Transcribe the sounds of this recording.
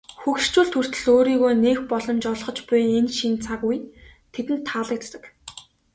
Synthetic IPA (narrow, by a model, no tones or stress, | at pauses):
xukʃt͡ɕuːɮt̪ʰur̥t̪ɘ̆ɮoːɾiːɣoːneːxpɔɮɞ̆mt͡ɕɔɮʁɞ̆t͡ɕpʊjenʃint͡sʰaɣujt̪ʰet̪ɘ̆nt̪ʰːaɮə̆k̚t̪t̪ə̆k